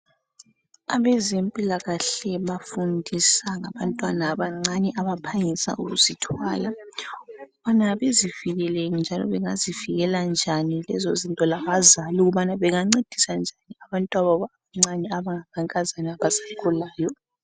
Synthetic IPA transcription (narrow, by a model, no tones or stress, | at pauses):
a̰βɛzempʼilaɣaɬɛβafundʱisaŋaβantʼwanaːβaŋ͡ǀanɛʔaβapʰaŋisa̰ʔuɣuzitʰwaːla | ɣuβanaβeziviɣɛleŋind͡ʒʱalɔ̰βɛŋaziviɣɛland͡ʒʱanilɛ̰zozintʼɔlaɣazaluɣuβanaβɛŋaŋ͡ǀed̥ʱisand͡ʒʱaniaβantʼwaβaβa | aŋ͡ǀanɛaβaŋamʰaŋkʼazaniaβasḁkʰɔlaːjɔ